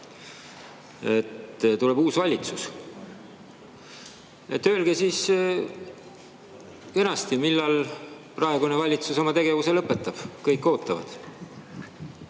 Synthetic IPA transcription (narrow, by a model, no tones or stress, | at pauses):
e̞t̪t̪ule̞buːsvɑlʲit̪sus | e̞t̪ːø̞ːlɡ̥esiːs | e̞nɑst̪imilːɑlprɑe̞ɡunevɑlʲit̪suso̞mɑt̪e̞ɡ̥e̞vuse̞lɤpːˑe̞t̪ːˑɑb̥kɤjkːˑo̞ːt̪ːˑɑvɑ̰d̪̥